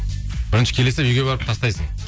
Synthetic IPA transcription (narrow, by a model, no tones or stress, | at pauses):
b̥ɪɾɪnʃɪ̥kʲʰe̞lesɪpʏjɡʲebeɾɪp̚t̪ʰɑst̪ɑjsəɴ